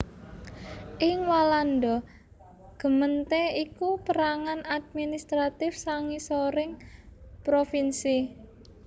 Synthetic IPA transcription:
ʔɪŋwalanɖɔ | ɡ̥ə̤mənt̪eikupəɾaŋanad̪̚minist̪ɾat̪ɪfsaŋisoɾɪŋpɾofinsi

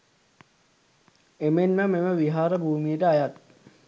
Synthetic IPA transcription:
emenməmeməʋiɦaːɾəbʱuːmijəʈəajat̪̚

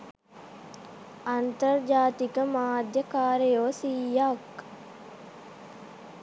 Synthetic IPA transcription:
ɐnt̪ɐrd͡ʒaːt̪ikəmaːd̪jəkaːɾejoːsiːjak

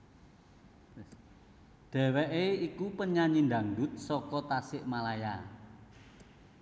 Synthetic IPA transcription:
ɖ̪̥ɛ̤wɛʔeikupəɲaɲind̪ä̤ŋd̪ʊt̪̚sɔkɔt̪asɪʔmalaja

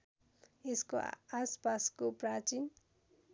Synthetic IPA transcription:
eskoaspaskoprat͡sin

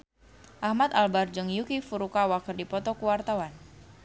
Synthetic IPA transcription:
ʔahmat̪albard͡ʒɨŋjukifuɾukawakərdipɔt̪ɔkuwart̪awan

